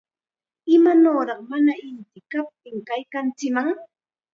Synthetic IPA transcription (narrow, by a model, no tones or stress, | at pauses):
ɪmanoːɾɑχmanaɪnt̪ɪkap̚t̪ɪŋkajkant͡sɪmaŋ